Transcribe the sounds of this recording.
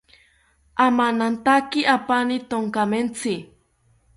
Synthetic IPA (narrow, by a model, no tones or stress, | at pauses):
amanant̪akiapanit̪oŋkament͡sʰɪ